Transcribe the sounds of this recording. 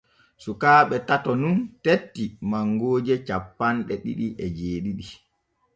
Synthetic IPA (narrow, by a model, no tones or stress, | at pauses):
sukaːɓɛtatɔnuntetːimaŋɡoːd͡ʒɛt͡ʃapːanɗɛɗḭɗiʔɛd͡ʒeːɗiɗi